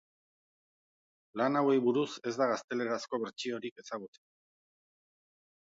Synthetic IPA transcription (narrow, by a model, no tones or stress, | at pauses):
lanawe̞jβuɾuse̞zd̪aɣast̪e̞le̞ɾasko̞βe̞ɾt͡ʃio̞ɾike̞saɣ̞ut͡se